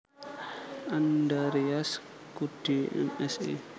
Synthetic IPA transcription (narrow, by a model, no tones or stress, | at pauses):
andaɾias | kud̥iɛ̰mɛsḭ